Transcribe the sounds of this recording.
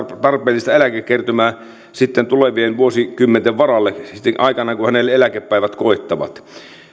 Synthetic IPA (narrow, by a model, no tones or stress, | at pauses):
t̪ɑrpeːlːist̪ɑelækekkːert̪ømæː | sit̪ːent̪uleʋienʋuosikymːent̪eʋʋɑrɑlːeit̪ːeʔɑikɑnɑkuhænelːelækepːæˑiʋæt̪koˑet̪ːɑʋɑ̰t̪